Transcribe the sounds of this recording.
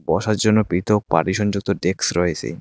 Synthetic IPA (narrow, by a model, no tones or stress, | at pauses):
bɔʃaɾd͡ʑonːopit̪ʰok̚pa̰ʈiʃɔnd͡ʑuk̚t̪oɖeksɾɔet͡ɕʰḛ